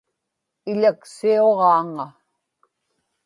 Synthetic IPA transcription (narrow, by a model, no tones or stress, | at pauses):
ɪʎaksioʁɑːŋa